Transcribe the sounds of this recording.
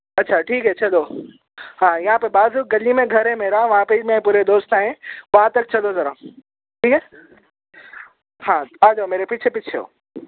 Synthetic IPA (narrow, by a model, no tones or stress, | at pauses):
ɐtːʃʰaʈʰiːkɦɛt͡ɕʰɐlo | ɦãːɪɦãpɐbaːzuɡɐlimẽɡʱɐɾɦẽmeːɾaʋɐɦãpemẽpuːɾed̪oːst̪aːɦẽʋɐɦãt̪ɐk̚t͡ɕʰɐlozɐɾã | ʈʰiːkɛ | ɦãːaːd͡ʒomeːɾepɪt͡ʃʰepɪt͡ʃʰeɦo̰ː